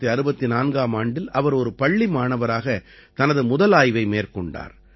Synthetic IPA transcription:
iɐɾɯbɐt̪ːinaːnɡaːmaːɳɖɪlɐʋɐɾɔɾɯpɐɭːimaːnɐʋɐɾaːɣɐ | t̪ɐnɐðɯmʊðɐlaːjʋɐɪmeːrkɔɳɖa̰ːɾ

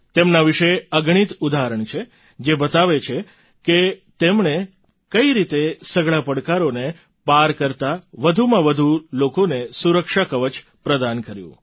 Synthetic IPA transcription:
t̪emnaʋiʃeəɡɳ̃it̪ud̪ʱaɾəɳt͡ʃʰe | d͡ʒebət̪aʋet͡ʃʰe | ket̪emɳe | kəiɾit̪esəɡɭapəɽkaɾone | paɾkəɾt̪aʋəd̪ʱumãʋəd̪ʱulokonesuɾəkʃakəʋət͡ʃ | pɾəd̪ankəɾjṵ̃

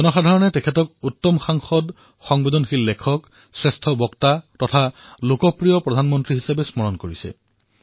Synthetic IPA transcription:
ɔnɔxadʱaɹɔnɛtɛkʰɛtɔkutːɔmxaŋxɔd | xɔŋbedɔnxilːekʰɔk | sɹɛstʰɔbɔktatɔtʰalokɔpɹijɔpɹɔdʱanmɔntɹiɦisabɛsmɔɹɔnkoɹisɛ̰

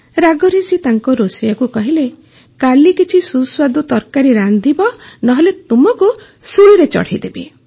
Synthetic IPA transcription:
ɾaɡɔɾisit̪aŋkɔɾosijakukɔɦile | kalikit͡ʃʰisuswad̪ut̪ɔɾkaɾiɾand̪ibɔnɔɦelet̪umɔku | suɭiɾet͡ʃɔ̰ɽ̤id̪ebi

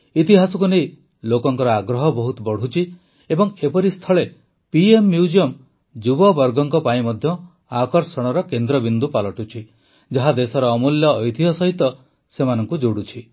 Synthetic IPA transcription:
it̪iɦasɔkunej | lokɔŋkɔɾɔaɡɾɔɦɔbɔɦut̪ɔbɔɽ̤ut͡ʃʰi | ebɔŋepɔɾist̪ʰɔɭe | piemːjud͡ʒiɔm | d͡ʒubɔbɔɾɡɔŋkɔpaĩmɔd̪ʱjɔ | akɔɾsɔɽ̃ɔɾɔkend̪ɾɔbind̪upalɔʈut͡ʃʰi | d͡ʒaɦad̪esɔɾɔːmuljɔːjt̪ʰiɦɔsɔɦit̪ɔ | semanɔŋkud͡ʒoɽut͡ʃʰi

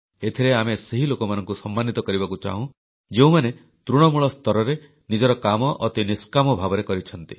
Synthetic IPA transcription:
et̪ʰiɾeameseɦilokɔmanɔ̃ŋkusɔmːanit̪ɔkɔɾibakut͡ʃa̰ɦũ | d͡ʒeũmane | t̪ɾuɽ̃ɔmuɭɔst̪ɔɾɔɾe | nid͡ʒɔɾɔkamɔʔːt̪iniskamɔbʱabɔɾekɔɾit͡ʃʰɔn̪t̪i

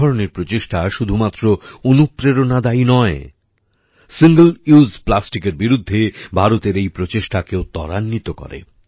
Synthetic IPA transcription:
ɔɾoneɾpɾot͡ɕeʃʈaʃud̪ʱumat̪ːɾoonupɾeɾonad̪ainɔe | siŋɡəluzplasʈikeɾbiɾud̪ʱːebʱaɾot̪eɾejpɾot͡ɕeʃʈakeot̪ɔɾanːit̪okɔ̰ɾḛ

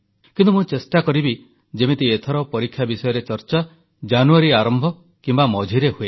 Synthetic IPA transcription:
kint̪umũt͡ʃesʈakɔɾibi | d͡ʒemet̪iet̪ʰɔɾɔpɔɾikʰːjabisɔjɔɾet͡ʃɔɾt͡ʃa | d͡ʒanuaɾiaɾɔmbʱɔ | kimbamɔd͡ʒʱiɾeɦue

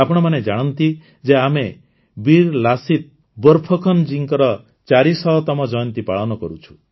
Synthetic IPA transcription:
apɔɽ̃ɔmaned͡ʒaɽ̃ɔnt̪i | d͡ʒeame | biɾlasit̪̚ | bɔɾpʰɔkʰɔnd͡ʒiŋkɔɾɔ | t͡ʃaɾisɔɦɔt̪ɔmɔd͡ʒɔjɔnt̪ipaɭɔnɔkɔɾut͡ʃʰu̥

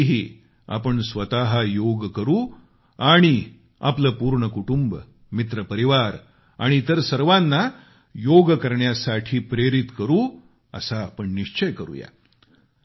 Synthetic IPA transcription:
ɦi | a̰pəɳsʋət̪aɦəjoɡkəɾuː | aɽ̃i | a̰pləːpuːɾɳəkuʈumb | mit̪ɾəpəɾiʋaɾ | a̰ɽ̃it̪əɾsəɾʋanːa | joɡkəɾɳjasaʈʰiːpɾeɾit̪kəɾuː | ə̰saːpəɳniʂt͡ɕəjkəɾṵːja̰

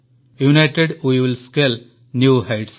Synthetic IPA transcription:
junaɪʈeɖwiʋɪlskel | njuːhaɪʈs

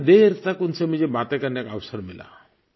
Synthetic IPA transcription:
d̪eɾt̪ʰakunsem̤ə̃nd͡ʑebat̪akaɾnakawsəɾmila̰

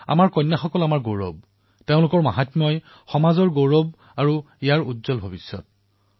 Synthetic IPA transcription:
a̰maɹkɔjnːaxɔkɔlamaɹɡoɹɔ̰b̚ | teʊ̃lʊkɔɹmaɦatmɔj | xɔmazɔɹɡowɹɔb | aɹu | ijaɹutzɔlbʱobisjɔt̚

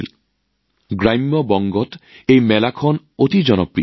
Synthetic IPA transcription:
l | ɡɾajmjɔbɔŋɡɔt̪ejmɛlakʰɔn | ot̪id͡ʑɔnɔpɾi

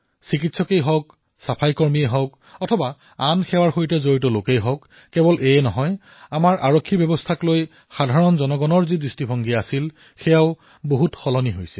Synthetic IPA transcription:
sikitsɔkejɦɔwk | sapʰajkɔɹmiɛɦɔwk | ɔtʰɔba | anxɛwaɹxojtɛzoɹitɔlokejɦɔwkː | ɛbɔlʔeɛnɔɦɔj | amaɹʔaɹokʰːibjɔbɔstʰakloj | xadʱaɹɔnzɔnɔɡɔnɔɹzidɹistibʱɔŋɡiasil | xɛjaʊ | boɦutxɔlɔniɦojsɛ

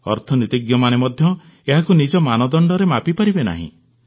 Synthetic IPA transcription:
ɔ̰ɾt̪ʰɔnit̪iɡjɔmanemɔd̪ʱjɔ | eɦakunid͡ʒɔmanɔd̪ɔɳɖɔɾemapipaɾibena̰ɦḭ̃

